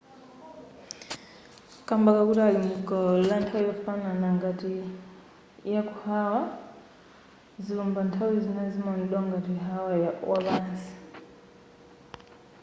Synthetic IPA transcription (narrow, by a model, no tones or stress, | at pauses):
kambakakutalimikɔlantʰawujokufananaŋɡati | jakuhawa | zilombantʰawizinezimaniɗoŋɡatiɦawajawaβaːnzi̥